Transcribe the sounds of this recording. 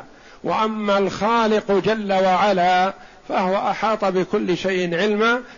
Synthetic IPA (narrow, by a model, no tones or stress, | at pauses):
wʔa̰ʔamːalxaːlɪqd͡ʒalːawaʕalaː | fahʊwaʔaħɑːt̪ˤɑbɪkʊlːʃajʔɪnʕɪlma